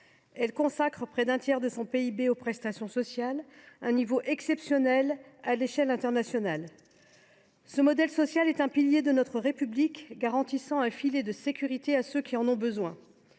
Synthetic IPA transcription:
ɛlkɔ̃sakχəpχɛd̪ɛ̃t̪jɛʁd̪əsɔ̃peibeopχɛst̪asjɔ̃sɔsjalɛ̃nivoʔɛksɛpsjɔnɛlaleʃɛlɛ̃t̪ɛʁnasjɔnal | səmɔd̪ɛlsɔsjalɛt̪ɛ̃piljed̪ənɔt̪χəʁepyblikɡaʁɑ̃t̪isɑ̃ɛ̃filed̪əsekʲyʁit̪easøkʲiɑ̃nɔ̃bəzwɛ̃

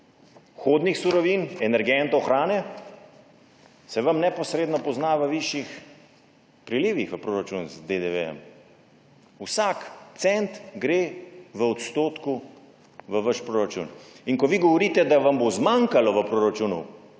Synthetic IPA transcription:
xoːd̪nixsuɾɔʋinɛnɛɾɡɛnt̪ɔɔxɾaːnɛ | sɛʋamnɛpɔsɾeːd̪nɔpɔznaʋəʋiʃjix | pɾiliːʋixʋəpɾoːɾat͡ʃunzd̪ed̪eʋɛ̰jɛ̰m | usakt̪sɛnt̪ɡɾeːʋəɔt̪st̪oːt̪ku | ʋəʋaʃpɾoːɾat͡ʃṵninkɔʋiːɡɔʋɔɾiːt̪ɛd̪aʋambozmaŋkalɔʋəpɾoːɾat͡ʃuːnṵ

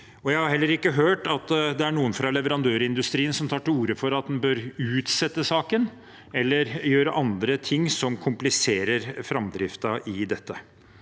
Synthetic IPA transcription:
ɔjæɪhɑɾhɛlːəɾɪkːəɦøːʈɑt̪d̪ɛæɳuːənfɾɑlɛʋəɾɑnd̪øːɾɪnd̪ʉst̪ɾiːənsɔmt̪ʰɑːʈɪuːɾəfɔɾɑt̪̚d̪ɛnbøɾʉːt̪sɛt̪ːəsɑːkən | ɛlːəɾjøːɾəʔɑnd̪ɾət̪ʰɪŋːsɔmkʰʊmplɪseːɾəɾfɾɑmd̪ɾɪft̪ɑʔɪd̪ɛt̪ːə

